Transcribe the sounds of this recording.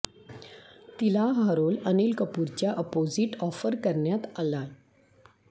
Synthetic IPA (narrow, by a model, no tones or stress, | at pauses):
t̪ilaɦaɾolənilkəpuːɾt͡ɕjaʔəpod͡ziʈɔfəɾkəɾɳjat̪ala